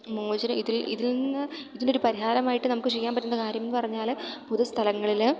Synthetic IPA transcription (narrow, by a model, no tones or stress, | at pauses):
moːd͡ʑɐɾɐiðilḭðilnːɨiðindo̞ɾupɐɾiɦaːlɐmaːjiʈːɨnɐmukːɨt͡ɕe̞jːaːmpɐʈːunɐðɐkaːɾjɐmenɨpɐrɐɲːaːlpuðust̪ʰɐlɐŋːɐɭil